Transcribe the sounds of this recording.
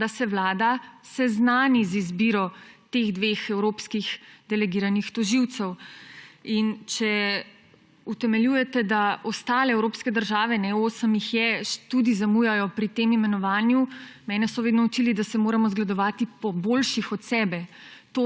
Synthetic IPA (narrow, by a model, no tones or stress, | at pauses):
d̪asɛʋlaːd̪asɛznaːnizizbiːɾɔt̪eɣd̪ʋeːxɛwɾoːpskixd̪ɛlɛɡiːɾanixt̪ɔʒiwt̪sɛw | int͡ʃɛ | ut̪ɛmɛljuːjɛt̪ɛd̪aɔst̪aːlɛɛwɾoːpskɛd̪əɾʒaːʋɛnɛoːsəmjixjɛʃt̪ud̪izamuːjajɔpɾit̪emimɛnɔʋaːnjumɛːnɛsɔʋeːd̪nɔut͡ʃiːlid̪asɛmoːɾamɔzɡlad̪ɔʋaːt̪ipɔboːlʃixɔt̪sɛːbɛt̪o